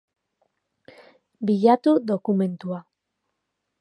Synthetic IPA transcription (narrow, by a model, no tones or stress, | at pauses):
biʎat̪ud̪o̞kume̞nt̪ua